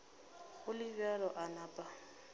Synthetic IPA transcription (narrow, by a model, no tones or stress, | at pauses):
ɣʊlɪvɛlɔʔanaːpʼa